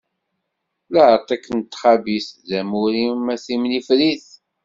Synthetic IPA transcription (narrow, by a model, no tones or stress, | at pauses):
ləhəɾt̪ˤækːənt̪ːχɑbisðæmuɾimæsimnifɾiθ